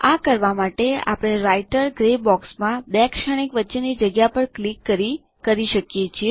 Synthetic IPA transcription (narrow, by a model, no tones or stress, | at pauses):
akəɾʋamaʈea̰pɽ̃eɾaiʈəɾɡɾebɔksmãbeakʃaɽ̃ikʋətːʃenid͡ʒəɡjapəɳklikːəɾi | kəɾiʃəkjet͡ʃʰie